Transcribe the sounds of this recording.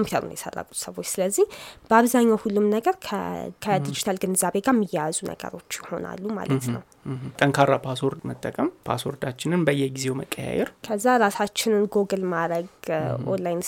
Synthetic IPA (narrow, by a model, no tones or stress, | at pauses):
kʰompiut̪ʰəɾṵnjɛsə̰rːa̰kʼu̥t̪səβo̞t͡ʃːsɨləzːihb̥əaβzaɲːawhulːumnəɡəɾkʰkʰəd̪id͡ʒit̪ʰalɡɨnzaβe̞ɡamːijɛjazunʔə̰ɡə̰ɾo̞t͡ʃːjɪho̞̰na̰lːuma̰lət̪nə̰w | t̪ʼəŋkʰaɾapʰasoɾd̪mət̪ʼːəkʼəmpʰa̰soɾd̪at͡ʃːɪnɨnbəjɛɡizewməkʼːəja̰jɛ̰ɾkʰəzːaɾasat͡ʃːɪnɨnɡo̞ɡɨlmaɾəɡʔo̰nlajn